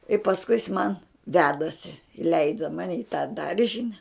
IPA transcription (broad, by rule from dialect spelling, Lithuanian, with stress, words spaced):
ɪ pɐsˈkʊɪ jɪs mɐn ˈʋʲæːdɐsʲɪ ɪˈlʲɛɪdɐ ˈmɑːnʲɪ ɪ tɑː ˈdɐrʲʒʲɪnʲɛ